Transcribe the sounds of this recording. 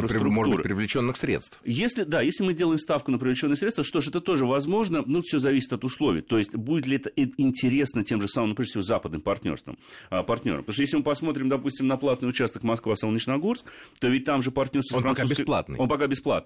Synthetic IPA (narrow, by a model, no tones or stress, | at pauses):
əsɾɾʊmoʐt̪uuɾɨpɾʲɪvlʲɪt͡ɕo̞nːɨxsɾʲḛt̪st̪fjesʲlʲɪd̪ajesʲlʲɪmɨdʲe̞lˠəɪmst̪afkʊnəp̬ɾʲɪvlʲɪt͡ɕonːɨxsɾʲet̪t̪vəʂt̪oʂɛt̪ət̪o̞ʐɨvɐzmo̞ʐnənutfsʲozɐvʲis̬ʲɪ̥t̪ɐt̪ʊslˠovʲɪ̰jət̪o̞jɪsʲtʲbudʲɪt̪̬lʲɪɛt̪əʔɪnʲtʲɪɾʲe̞snətʲemʐɨsamɨmʊpɾʲʐdɨsʲvo̞zapəd̪nɨmpɐrtʲnʲorst̪və̰məpɐrt̪ʲnʲo̰ɾəmpət̪oʂ̬t̪jeslʲɪmɨpɐsmo̞t̪̬ɾʲɪmd̪ɐpusʲtʲɪmnɐplˠat̪nɨjʊt͡ɕast̪əkmɐskvasəlˠnʲɪt͡ɕnɐɡo̞rskt̪o̞vʲɪt̚ʲt̪amʐɨpɐrtʲnʲo̞rst̪əfɾɐnusbskəplˠa̰t̪nɨ̰onpɐkabʲɪsplˠa̰t̪ɨ